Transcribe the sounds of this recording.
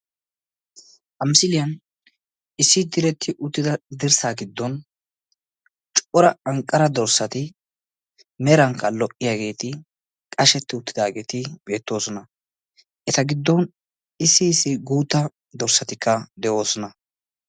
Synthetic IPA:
ʔɐmɪsɪlɪjɐn | ɪsːɪd̪ɪɾɛt̪ʰːɪʔʊt̪ːɪd̪ɐd̪ɪɾsaːɡɪd̪ːɔn | t͡ʃʼʔɔɾɐɐŋkʼːɐɾɐd̪ɔɾsɐt̪ɪ | mɛɾɐŋkːɐlɔʔɪjaːɡe̞ːt̪ɪ | kʼɐʃɛt̪ːɪʊt̪ːɪd̪aːɡe̞ːt̪ɪbe̞ːt̪ːo̞ːsɔnɐ | ʔɛt̪ɐɡɪd̪ːɔn | ɪsːɪːsːɪɡuːt̪ːɐ | d̪ɔɾsɐt̪ɪkːɐd̪ɛʔo̞ːsɔnɐ

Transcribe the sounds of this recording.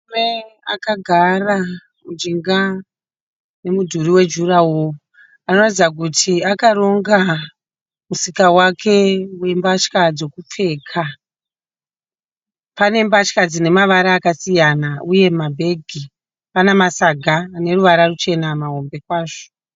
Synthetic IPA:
mea̰kaɡʱara | mud͡ʒiŋɡa | ne̞mudʱuɾiwe̞d͡ʒurawo | ano̞ratid͡zak̬utʰiakaɾo̞ŋɡa | musikawakʰe̞we̞mbat͡ʃkad͡zo̞kup͡fe̞ːkʰa | pane̞mbat͡ʃkad͡zine̞maʋaɾaːkasijanaʔuje̞mabʱe̞ɡʱi | panemasaɡʱaːne̞ɾuʋaɾarut͡ʃe̞namaɦo̞mbe̞kwaːʐo̥

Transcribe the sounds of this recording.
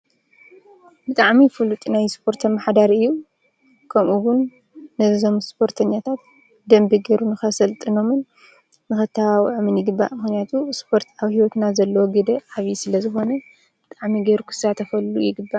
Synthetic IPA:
bɨt̪ʼaʕmifɨlut̪ʼinajspʰo̞ɾt̪ʰɐmːaħd̪aɾɨjːu | kʰɐmʔuwʊnː | ɐzo̞mspʰo̞ɾt̪ʰɐɲːat̪ʰat̪̚ | d̪ɐmbiɡɐɾunɨxɐsɐlt̪ʼɨno̞mɨnː | ɨxɨt̪ʰːawawʕmɨnjɪɡɨbːa̰ʔmɨxnijat̪ʰuspʰo̞ɾt̪aβhiwot̪nazɐlːɐwoɡɨd̪ɐʕaβjisɨlɐzɨxo̞nɐ | b̥ɨt̪ʼaʕmiɡeɾukʰɨ̥sat̪ʰɐfɐlːṵjɪɡɨbːaʔ

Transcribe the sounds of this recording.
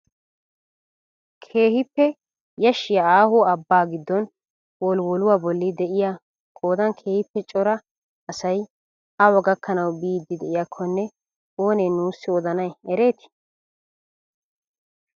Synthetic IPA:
kʰe̞ːhɪpːɛ | jɐʃːɪjaaːhɔɐbːaːɡɪd̪ːɔn | wɔlwɔlʊwaːbɔlːɪd̪ɛʔɪja | kʼo̞ːd̪ɐnkʰe̞ːhɪpːɛt͡ʃʼɔɾɐ | ɐsɐj | ɐwɔɡɐkːɐnɐwbiːd̪ːɪd̪ɛʔɪjakʰːɔnːɛ | oːneːnuːsːɪɔd̪ɐnɐjɛɾe̞ːt̪ɪ̥

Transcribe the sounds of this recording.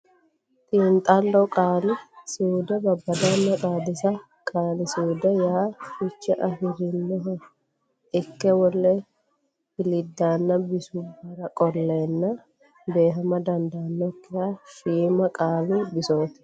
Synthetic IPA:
t̪ʼɪːnt̪ʼɐlːɔkʼaːlɪsuːd̪ɛbɐbːɐd̪anːɐt̪ʼaːd̪ɪsɐ | kʼaːlɪsuːd̪ɛjaːfɪt͡ʃːɛʔɐhɪɾɪnːɔɦɐ | ɪkːɛwɔlːɛ | hɪlɪd̪ːaːnːɐbɪsʊbːɐɾɐkʼɔlːeːnːɐ | be̞ːɦɐmɐd̪ɐnd̪aːnːɔkːɪjaʃiːmɐkʼaːlɪbɪsoːt̪ɛ̥

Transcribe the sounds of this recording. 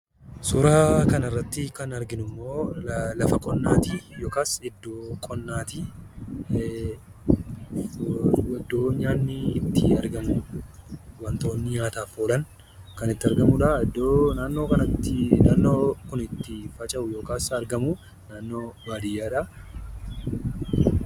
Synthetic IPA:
sʊɾaːkɐnɐrːɐt̪ːɪkɐnɐɾɡɪnʊmːo̞ːlɐfɐkʼɔnːaːt̪ijoːkaːsɛd̪ːoːkʼɔnːaːt̪i | wɐd̪ːo̞ːɲaːnːɪːt̪ːɪɐɾɡɐmʊ | wɐnt̪o̞ːnːɪɲaːt̪aːfoːlɐn | kɐnɪt̪ːɪɐɾɡɐmʊᶑɐɐd̪ːoːnaːnːo̞ːkɐnɐt̪ːɪnaːnːo̞ːkʊnɪt̪ːɪfɐt͡ʃʼɐʔʊjo̞ːkaːsɐɾɡɐmʊ | naːnːo̞ːbaːd̪ɪjːaːᶑɐ

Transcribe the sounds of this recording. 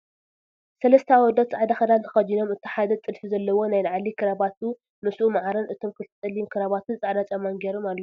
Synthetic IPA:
sɐlɐst̪ʰaawɔd̪ɐt̪t͡sʼaʕd̪axɐd̪ant̪ʰɐ̥xɐd͡ʒino̞mɨt̪ʰːi̥ħad̪ɐt̪ʼɨlfizɐlːɐwo̞najlʕalikʰɨɾaβat̪ʰu | nɨsʔumaʕaɾɐnɨt̪ʰo̞mkʰɨlt̪ʰɨt̪ʼɐlːimkʰɨɾaβat̪ʰut͡sʼaʕd̪at͡ʃʼɐmːanɡeɾomalːu

